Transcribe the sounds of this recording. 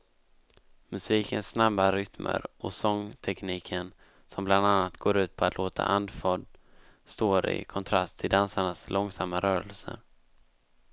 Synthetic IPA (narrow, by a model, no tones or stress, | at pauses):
mɵsiːkənsːnabːaɾʏt̪mʔə̰ɾɔsɔŋt̪ʰɛkniːkʰən | sɔmbland̪anːat̪ɡoːɾʉ̟ːt̪̚pʰɔat̪ʰloːt̪ʰa̰ʔand̪fɔd̪ | st̪oːɾɪ̰kʰɔnt̪ʰɾast̪ʰɪld̪ansaɳaslʔɔŋsamːaɾœːɾəlsə̰ɾ